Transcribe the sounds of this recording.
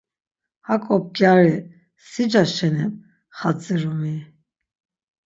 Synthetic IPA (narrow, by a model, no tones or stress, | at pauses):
hakʼɔp̚ɡjaɾɛ | sid͡ʒaʃɛnɛn | χat͡sʼiɾumi